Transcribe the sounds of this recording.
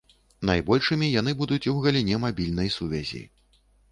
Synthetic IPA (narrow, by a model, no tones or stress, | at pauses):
najbɔlʲʂɨmʲijan̪ɨbud̪ut͡sʲiwɣɐlʲinʲɛmabʲilʲnɐjsuvʲɛzʲḭ